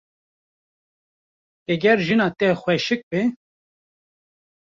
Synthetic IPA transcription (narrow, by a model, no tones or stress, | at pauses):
ɛɡʲɛɾʒɨnɑːt̪ɛxwɛʃɨk̚be